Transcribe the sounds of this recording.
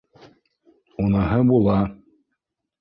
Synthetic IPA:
unɑɦɤbulˠɑ

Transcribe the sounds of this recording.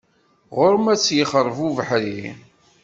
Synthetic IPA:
ʁʊɾmæt͡sːjəχəɾˤvuvəħɾi

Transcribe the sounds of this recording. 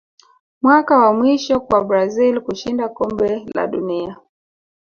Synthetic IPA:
mwakawamwiʃɔkwabɾazilkuʃindakɔmbɛla̰ɗunia

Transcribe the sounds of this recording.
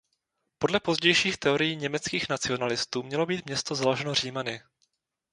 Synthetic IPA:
po̞dlɛpo̞zɟɛjʃiːxt̪ɛo̞ɾɪjiːɲɛmɛt͡skiːxnat͡sɪo̞nalɪst̪uːmɲɛlo̞biːt̪mɲɛst̪o̞zaloʒɛnor̝iːmanɪ

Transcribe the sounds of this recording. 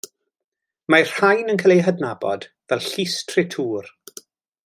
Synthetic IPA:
mar̥hajnənkʰalejɦədnabɔ̰d̥vɛlˠɬistʰrɪtʰuːr

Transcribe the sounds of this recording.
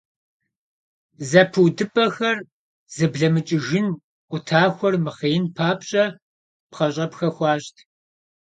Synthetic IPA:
zɐpʰɨwdɨpʼɐxɐr | z̥ɨbɮɐmɨt͡ʃʼɪʒɪn | ʔʷʊtʰaːxʷɔrmɨχeːɪnpʰaːpɕʼɐ | pχɐɕʼɐpxɐxʷɑːɕtʰ

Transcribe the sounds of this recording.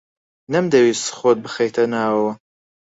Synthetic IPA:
nɐmd̪ɐwist̪ɨ̥χoːt̪̚bɨxejt̪ʰɐnaːwɐwɐ

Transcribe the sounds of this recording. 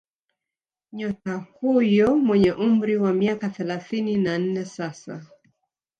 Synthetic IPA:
ɲɔtahujɔmwɛɲɛʔum̩ɾiwamiakaθɛlaθininan̩nɛsasa̰

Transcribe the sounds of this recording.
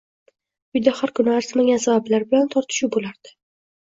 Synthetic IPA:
ʊjd̪ahaɾkʊnɪaɾsmaɡʲansabablaɾbɪlant̪ʰɒɾt̪ʰɪ̥ʃʊbolaɾd̪̥ɪ̥

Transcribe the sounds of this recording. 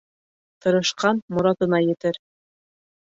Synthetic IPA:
t̪ɤ̆ɾɤ̆ʃqɑnmŏɾɑt̪ɤ̆nɑjɘ̆t̪ɘɾ

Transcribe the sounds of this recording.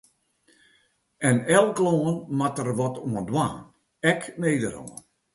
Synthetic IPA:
ɛnɛlˠkloənmatərʋɔtoəndwaːn | ɛkmeːdəɾo̰ən

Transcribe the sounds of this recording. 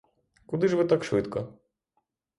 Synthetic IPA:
kʊd̪ɪʒʋɪt̪ɑkʃʋɪt̪kɔ

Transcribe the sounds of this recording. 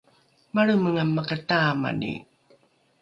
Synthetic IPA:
maɭuməŋamːakataːma̰nḭ

